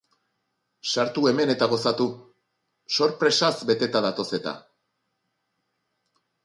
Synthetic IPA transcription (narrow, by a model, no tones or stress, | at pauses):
saɾt̪ue̞me̞ne̞t̪aɣ̞o̞sat̪u | so̞ɾpɾe̞sazbe̞t̪e̞t̪aðat̪o̞se̞t̪a̰